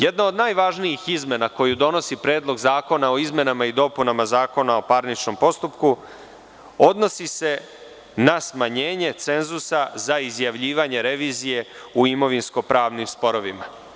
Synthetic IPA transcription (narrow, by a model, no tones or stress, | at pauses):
jed̪naod̪naːjʋaʒnijixizme̞nako̞jud̪o̞no̞sipɾe̞ːd̪lˠo̞ɡzaːko̞nao̞izme̞namaid̪o̞punamazaːko̞nao̞paɾnit͡ʃno̞mpo̞st̪upku | o̞d̪no̞sise̞ | nasmaɲe̞ːɲe̞t̪se̞nzusazaizjaʋʎiːʋaɲe̞ɾe̞ʋiːzije̞ | uimo̞ʋinsko̞pɾaːʋnimspo̞ɾo̞ʋima